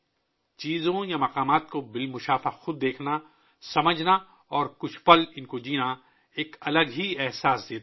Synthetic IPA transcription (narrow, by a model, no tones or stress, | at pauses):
t͡ʃiːzõjamɐqaːmaːt̪̚kobɪlmʊʃaːfaxʊd̪ːeːkʰna | sɐməd͡ʒʱna | ɔːɾkʊt͡ʃʰpɐlɪnkod͡ʒiːna | eːkɐləɡɦiɛɦsaːsd̪eːt̪ː